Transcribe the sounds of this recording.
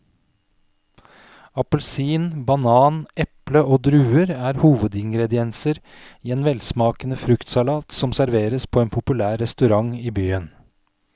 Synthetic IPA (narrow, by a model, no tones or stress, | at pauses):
ɑpəlsiːnbɑnɑːnʔɛpləʔoːd̪ɾʉːəɾæːɾhuːʋəd̪ɪŋɡɾɛd̪ɪɛnsəɾ | iːeːnʋɛlsmɑːkənəfɾʉkt̪sɑlɑːt̪sɔmsæɾʋeːɾəspʰoːeːnpʰʊpʉlæːɾɛst̪ʉɾɑŋiːbyːən